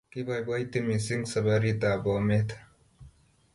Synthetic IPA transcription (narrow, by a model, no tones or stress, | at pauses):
kibajbajt̪imisiŋɡsɐbaɾit̪aːbomet̪ʰ